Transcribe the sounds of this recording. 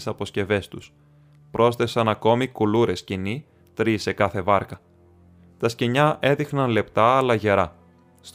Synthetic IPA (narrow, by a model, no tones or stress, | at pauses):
sɐpo̞sce̞ve̞st̪us | pɾʔo̞sθe̞sɐnɐko̞mikuluɾe̞scini | t̪ɾise̞kɐθe̞vɐɾkɐ | t̪ɐsceɲɐʔe̞ðixnɐnle̞pt̪ɐːlɐʝe̞ɾɐ | st̪